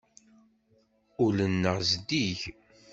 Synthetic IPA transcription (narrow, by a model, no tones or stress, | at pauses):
ʊlənːəʁzd̪iʝ